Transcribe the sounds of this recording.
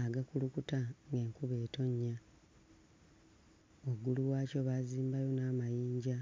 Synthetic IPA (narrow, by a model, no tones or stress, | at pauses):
aɡakulukutaŋɡe̞ːŋkuβe̞ːto̞ɲːa | oɡuluwaːco̞βaziːmbajo̞naːmajiːɲɟa